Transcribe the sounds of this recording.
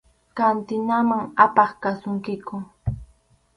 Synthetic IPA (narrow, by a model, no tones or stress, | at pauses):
kant̪ɪnamaŋapɑχkasʊŋkɪkʊ